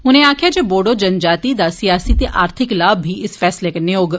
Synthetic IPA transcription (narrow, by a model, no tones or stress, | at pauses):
ʊnẽːaːkʰjaːd͡ʒeːboːɖoːd͡ʒənd͡ʒaːt̪iːd̪aːsiaːsiːt̪eːʔaːɾt̪ʰɪklaːbːiːɪsfɛːsleːkəneoːɡ